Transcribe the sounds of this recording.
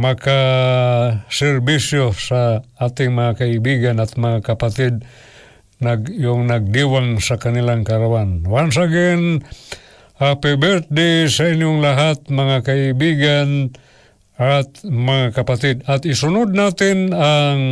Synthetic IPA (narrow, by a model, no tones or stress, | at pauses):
mɐka | sɛɾbisjosaʔaːt̪ɪŋmɐŋakaɪbiɡanat̪̚maŋakapat̪ɪd̪̚ | naɡjoŋnaɡ̚d̪iwaŋsakanɪlaŋkaɾawanwansaɡɪn | apɛbɛɾt̪̚d̪ɛsaɪnjoŋlaɦat̪̚mɐŋakaɪbiɡan | at̪mɐŋakapat̪ɪd̪ɐt̪ɪsʊnʊd̪̚naːt̪ɪnaŋ